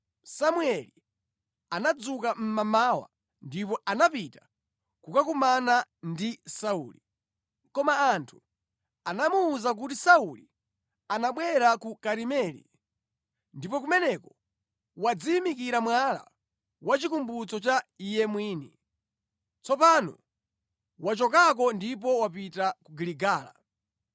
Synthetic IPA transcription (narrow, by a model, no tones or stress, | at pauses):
samuɛli | anad͡zukam̩mamawa̰ | ndipɔʔanapita | kukakumanandisaṵːli | kɔmaːntʰu̥ | anamuːzak̬utisauli | anaɓwɛɾakukaɾimɛlḭ | ndipɔk̬umɛnɛkɔ̥ | wad͡ziːmikiɾamwala̰ | wat͡ʃikumbut͡sɔt͡ʃaijɛmwiːnḭ | t͡sɔpanɔ | wat͡ʃɔkak̬ɔndip̬ɔwapitakuɡiliɡaːla̰